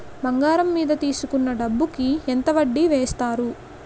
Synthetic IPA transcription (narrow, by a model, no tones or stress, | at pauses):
bɐŋɡaːɾɐmːiːd̪ɐt̪iːsukunːɐɖɐbːukient̪ɐʋɐɖːiʋeːst̪aːɾu